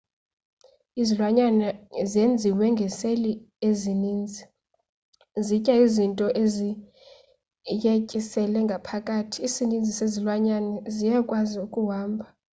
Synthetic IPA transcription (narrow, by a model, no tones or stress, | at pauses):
izilwaɲanazend͡zʱiwɛŋɡʱɛseli | eziniːnd͡zʱi | zicʼaizintʼɔʔezi | jecʼisɛlɛŋɡʱapʰakʼaːtʰiːsinind͡zʱisezilwaɲanɛzijɛkʼwaziukʼuwaːmbʱa